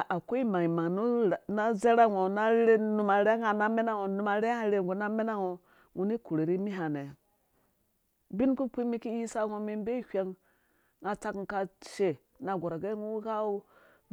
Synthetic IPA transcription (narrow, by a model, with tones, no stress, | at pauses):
a˨ko˦i˦ma˨ŋi˨ma˨ŋn˦˨na˦ze˦ɾa˦˨ŋo˨na˦ɾe˦nu˨ma˨ɾe˦ŋa˨na˦me˦na˦ŋo˨nu˨ma˨ɾe˦ŋa˦˨ɾe˦˨ɡo˨na˦me˦na˦ŋo˨ | ŋu˦ni˦ku˨ɾe˨ɾi˦mi˦ɦa˨ne˨ | bi˦n˦ku˦pʷi˦mi˦ki˦ji˦sa˦ŋo˨mi˦m˦be˦hʲʷa˦ŋ | ŋa˨ta˦kŋ˦ka˨ʃe˨ | na˨ɡʷo˨ɾa˨ɡe˦ŋu˦ka˦o˦